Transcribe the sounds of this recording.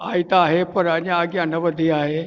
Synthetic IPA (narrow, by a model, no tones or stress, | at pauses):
ajt̪aɦepəɾaniaɡianəʋəd̪ʱːiaɦe